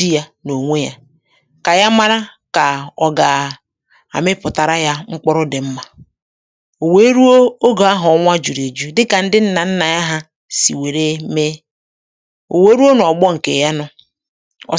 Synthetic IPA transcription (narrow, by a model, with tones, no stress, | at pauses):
i˦ja˦no˨ŋʷe˦ja˦ | ka˨ja˦ma˦ɾa˦ | ka˨ɔ˨ɡa˨ | a̰˨mɪ˦pʊ˨ta˨ɾa˦ja˦ŋ͡m̩˦k͡pɔ˦ɾʊ˦dɪ˨m̩˦ma˨ | o˨we˦ɾu˦o˦o˦ɡo˨a˦ɦɔ˨˦ŋʷa˦d͡ʒu˨ɾi˨d͡ʒu˦dɪ˦ka˨n̩˦dɪ˦n̩˦na˨n̩˦na˨ja˦ɦa˦ | sḭ˨we˨ɾe˦me˦ | o˨we˦ɾu˦o˦n˨ɔ˨ɡ͡bɔ˦ŋ̩˨ke˨ja˦nɔ˦ | ɔ̰˨